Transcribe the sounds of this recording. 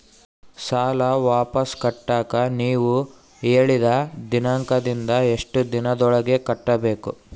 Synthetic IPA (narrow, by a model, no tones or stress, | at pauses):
saːlɐʋaːpɐskɐʈːaːkɐniːʋu | eːɭid̪ɐd̪inaŋkɐd̪ind̪ɐe̞ʂʈud̪inɐd̪ɔɭɐɡekɐʈːɐbe̞ːkṵ